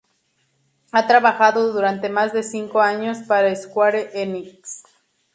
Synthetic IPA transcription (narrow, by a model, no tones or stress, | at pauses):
at̪ɾaβaxaðo̞ðuɾant̪e̞mazðe̞siŋko̞aɲo̞spaɾaeskwaɾeʔeniks